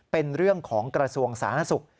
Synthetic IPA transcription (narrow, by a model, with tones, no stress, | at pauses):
pe˧nɾɯ˥˩əŋkʰɔː˩˦ŋkɾa˧su˧əŋsa̰ː˩˦na˥su˨˩k̚